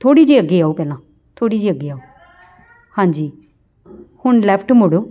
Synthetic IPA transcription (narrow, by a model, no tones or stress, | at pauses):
t̪ʰoːɽiːd͡ʒiːəɡːeːaːuːpɛːlãː | t̪ʰoːɽiːd͡ʒiːəɡːeːaːoː | hãːɲd͡ʒiː | hʊɳlɛːpʰʈmoːɽoː